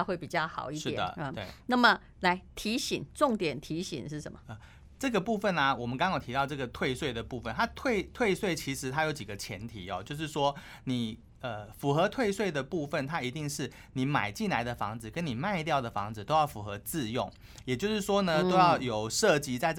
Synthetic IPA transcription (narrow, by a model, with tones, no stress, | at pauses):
xwe˥˩ɪpi˨˩t͡ɕjɑ˥˩ʊxɑ˨˩ʊi˥˧ʂɻ̩˥˨d̪ə̰˨˩˥t̪we˥˩ɪna˥˩mə˨ | la˧˥ɪt̪ʰi˧˥ɕi˨˩ŋʈ͡ʂʊ˥˨˩ŋt̪jɛ˨˩nt̪ʰi˧˥ɕḭ˨˩˦nʂɻ̩˥˩ʂə̰˧˦mə˨˩ə˧ | ʈ͡ʂɤ˥˩ɡə˩pu˥˧fə˥˨˩nɐ˩wɔ˨˩mə˦nkɑ˥ŋjt̪ʰi˧t̪ɑ˥˧ʊʈ͡ʂɤ˥˩ɡə˩t̪ʰwe˥˧ɪswe˥˩ɪd̪ə˩pu˥˧fə˨nt̪ʰa˥t̪ʰwe˥˧ɪt̪ʰwe˥˧ɪswe˥˩ɪt͡ɕʰi˧˥ʂɻ̩˧˥t̪ʰa˥jo˧˥ʊt͡ɕi˨˩ɡə˦t͡ɕʰjɛ̰˧˥nt̪ʰi˨˥ɔ̰˨t͡ɕjo˥˧ʊʂ̬ɻ̩˥˩ʂwɔ˥ | ni˨˩˦ | ə˧fu˧˥xɤ˧˦t̪ʰwe˥˧ɪswe˥˩ɪd̪ə˩pu˥˧fə˥˩nt̪ʰa˥i˧˥t̪i˥˧ŋʂɻ̩˥˩ | ni˨˥ma̰˨˩ɪt͡ɕi˥˩nla˧˥ɪd̪ə˨fɑ˧˥ŋd͡zɹ̩˨˩kə˦˥ni˨˩ma˥˧ɪt̪̬jɑ˥˩ʊd̪ə˩fɑ˧˥ŋd͡zɹ̩˨t̪o˥ʊjɑ˥˩ʊfu˧˥xɤ˧˦t͡sɹ̩˥˧jʊ˥˩ŋ | jɛ˨˩t͡ɕjo˥˧ʊʂɻ̩˥˩ʂwɔ˥nə˧t̪o˥ʊjɑ˥˩ʊjo˨˩ʊʂɤ˥˨˩t͡ɕi˧˥t͡sa˥˧ɪ